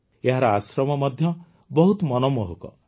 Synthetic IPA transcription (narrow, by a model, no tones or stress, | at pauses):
eɦaɾɔasɾɔmɔmɔd̪ʱjɔ | bɔɦut̪mɔnɔmɔɦokɔ̰